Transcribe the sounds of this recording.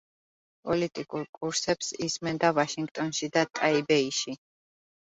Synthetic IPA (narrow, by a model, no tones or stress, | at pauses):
pʼɔlit̪ʼikʼuɾkʼuɾsɛpsismɛnd̪avaʃiŋɡt̪ʼɔnʃid̪at̪ʼaibɛiʃi